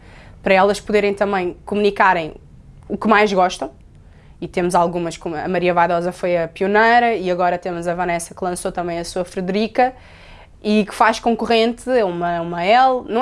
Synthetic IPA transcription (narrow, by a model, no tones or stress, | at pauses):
pɐɾɐɛlˠɐʃpuðeɾɐ̃j̃t̪ɐ̃mɐ̃j̃kumunikaɾɐ̃j̃ | ukmajʒɣɔʃt̪ɐ̃w̃ | it̪emuzalˠɣumɐʃkomɐ̰mɐɾiɐvajðɔzɐfojɐpiunɐjɾɐiɐɣɔɾɐt̪emuzɐvɐnɛsɐklˠɐ̃sot̪ɐ̃mbɐ̃j̃ɐsuɐfɾɨðɨɾikɐ | ikɨ̥faʃkõkuʁẽnt̪ɛumɐumɐɛlˠnɐ̃